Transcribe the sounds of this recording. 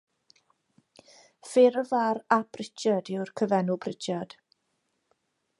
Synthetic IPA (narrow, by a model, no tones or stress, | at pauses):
fɪɾəvaɾab̥ʰrɪt͡ʃadɪwrkʰəvɛnʊbrɪt͡ʃʰjad̥